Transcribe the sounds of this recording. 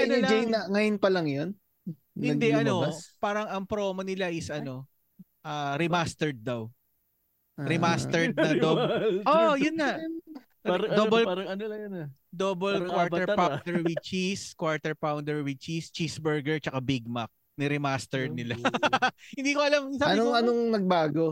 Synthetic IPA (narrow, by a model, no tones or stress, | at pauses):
ɐnnɐd͡ʒejnɐŋɐjonpɐlɐŋjon | ɪd̪ɛʔɐno̞paːɾɐŋɐŋpɾo̞ːmɐnɪlaʔɪsʔɐno̞ | ʔaːɾɪmast̪ɛɹd̪̚ːɐw | ɾɪmast̪ɛɹd̪̚ɐd̪oojʊnːɐʔ | aɾɐd̪obɛlɾɐŋɐon | d̪obɐlkwaɹt̪ɛɹpad̪ɛɹwɪt͡ʃiskwaɹt̪ɛɹpawnd̪ɛɹwɪt͡ʃist͡ʃisbɛɹɡɛɹt͡ʃɐkabiɡ̚mak̚ | nɛɾɛmast̪ɛɹd̪̚nɪla | hɪnd̪iːkoʔɐlamsaɐnoɐnoŋnɐɡ̚baːɡo